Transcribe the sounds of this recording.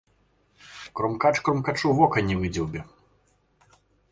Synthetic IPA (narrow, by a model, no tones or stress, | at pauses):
kɾɔmkat͡ʂkɾɔmkat͡ʂuvɔkɐnʲivɨd͡zʲiwbʲɛ